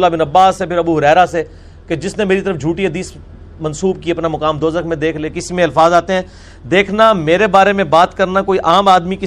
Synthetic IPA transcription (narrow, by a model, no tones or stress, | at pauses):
labɪnɐbaːsːepʰɪɾɐbuːɦʊɾɛːɾase | ked͡ʒɪsnemeːɾit̪əɾəfd͡ʒʱuːʈiɦɐd̪iːs | mɐnsuːb̚kiɐpnamɐkaːmd̪oːzəkmẽd̪eːkʰleːkɪsimẽɐlfaːzaːt̪eɦɛ̃ː | d̪eːkʰnameːɾebaːɾemẽbaːt̪kɐɾnakoːiʔaːmaːd̪mikɪ